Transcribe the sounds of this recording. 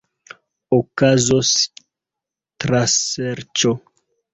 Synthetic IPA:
okazos | tɾaseɾt͡ʃo

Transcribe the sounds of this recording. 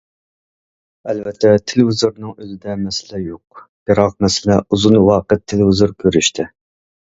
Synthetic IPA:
ɛlvɛt̪ʰːɛt̪ʰelɪvɪzuɾnɨŋøzɪd̪ɛmɛsɪlɛjoq̚b̥eɾɑq̚mɛsɪlɛuzunwɑːqət̪ʰːɪlɪvɪzuɾkʲʰøɾyʃt̪ʰɪ

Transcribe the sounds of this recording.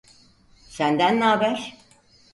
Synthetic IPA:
sænd̪ænːaːbæɾ

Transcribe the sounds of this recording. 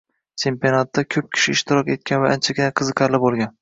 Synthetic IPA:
t͡ʃʰe̞mpionat̪ːakʲʰɵp̚kʲʰɪ̥ʃɪːʃt̪ɪɾɒkʲe̞t̪̚kʲʰanvaʔant͡ʃʰaɡʲɪnaqʰɨzɨqʰɑɾlɪbolˠɡʲan

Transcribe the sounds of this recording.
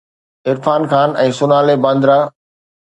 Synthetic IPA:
ɪɾfaːnxaːnɛ̃ːsʊnaːlebə̃nd̪ɾaː

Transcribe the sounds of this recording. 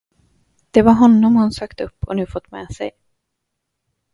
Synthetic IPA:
d̪̥ɛvaɾɦɔnːɔmhʊnsøːkt̪ɵpːɔ̰nʉ̟ːfɔt̪ːmɛ̰ːsɛ̰j

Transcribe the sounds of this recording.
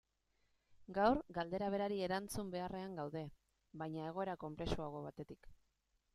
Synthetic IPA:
ɡawɾɡald̪e̞ɾaβ̞e̞ɾaɾie̞ɾant͡sumbe̞are̞aŋɡawðe̞ | βajɲae̞ɣ̞o̞e̞ɾako̞mpɾe̞suaɣo̞β̞at̪e̞t̪ik

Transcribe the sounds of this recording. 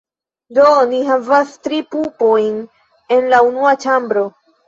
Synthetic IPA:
doniɦavastɾipupojn | e̞nlaunuat͡ʃambɾo̞

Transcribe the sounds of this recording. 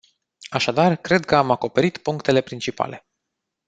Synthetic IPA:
aʃad̪arkɾe̞d̪̚kəamako̞pe̞ɾit̪puŋkt̪e̞le̞pɾint͡ʃipa̰le̞

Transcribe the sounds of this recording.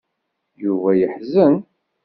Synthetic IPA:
juvæjəħzən

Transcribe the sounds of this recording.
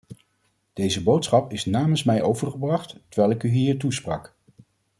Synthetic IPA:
d̥ejzəbowtsχɑpɪsnaːmənsmɛjʔowvəɹχəbrɑχttəɹʋɛjlˠɪkyɦiːɹtusprɑ̰k

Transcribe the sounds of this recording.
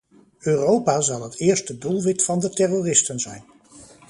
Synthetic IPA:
øːrowpaːzɑlˠɦətʰɪːɹstədulˠʋɪtfɑndətɛroːrɪstənzɛjn

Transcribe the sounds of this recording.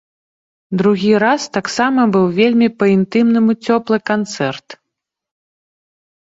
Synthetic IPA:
d̪ɾuɣʲiɾast̪aksamɐbɨwvʲelʲmʲipɐint̪ɨmnɨmut͡sʲɔplˠɨkant̪sɛrt̪

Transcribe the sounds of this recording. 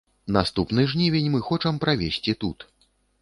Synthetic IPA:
nast̪upnɨʐnʲivʲenʲmɨxɔt͡ʂɐmpɾavʲesʲt͡sʲit̪ut̪

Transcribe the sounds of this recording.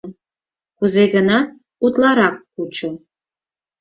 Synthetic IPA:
kuzeɣənɑ | ut̪lˠɑɾɑkː | ut͡ɕo

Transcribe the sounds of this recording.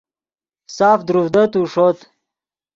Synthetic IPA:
saːfd̪ɾuvd̪ət̪uʂot̪

